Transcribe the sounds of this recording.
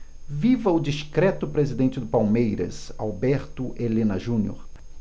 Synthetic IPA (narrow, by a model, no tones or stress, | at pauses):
vivɐʊd͡ʒiʃkɾɛt̪ʊpɾezid̪ẽnt͡ʃɪd̪ʊpawmejɾɐ̰sa̰wbɛɾt̪ʊʔelẽnɐʒũnio̰ɾ